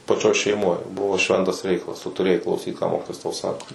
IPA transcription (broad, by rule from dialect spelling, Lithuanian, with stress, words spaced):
pɐˈt͡ʃʲoːj ʃʲɛɪˈmoːj ˈbʊʋoː ˈʃʲʋʲɛntɐs ˈrʲɛɪkɐlˠɐs ˈtʊ tʊˈrʲeːjɛɪ klˠɐʊˈsʲiːt kɑː ˈmoːkʲɪtoːjɛs tɐʊ ˈsɑːkoː